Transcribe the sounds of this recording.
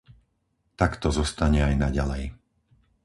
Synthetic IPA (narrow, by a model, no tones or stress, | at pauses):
t̪akt̪ɔzɔst̪aɲɛajnaɟalɛj